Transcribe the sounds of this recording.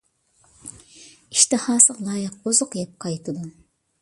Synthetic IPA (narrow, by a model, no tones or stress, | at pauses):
iʃt̪ɨhɑːsɨʁlˠɑːjɪq̚ozʊqjɛp̚qʰɑjt̪ʰɨd̪u